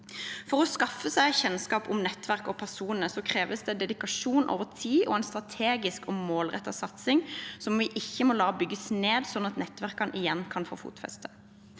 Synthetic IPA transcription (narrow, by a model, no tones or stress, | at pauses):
fɔʁɔskɑfəsæɪçɛnskɑːpʊmnɛt̪ːʋæʁkɔpʰæʁsuːnənəsɔkʰʁeːʋəsd̪ɛd̪ɛd̪ɪkɑʂuːnʔo̰ːʋət̪ʰiːʔɔ̰æɪnst̪ʁɑt̪ʰeːɡɪskɔmoːlʁɛt̪ːɑsɑt̪sɪŋsɔmʋɪʔɪçːəmɔlɑːɔbʏɡːəsneːd̪sɔnɑt̪nɛt̪ːʋæʁkɑnʔɪjɛnːkʰɑnfo̰ːfṵːt̪fɛ̰st̪ʰə̥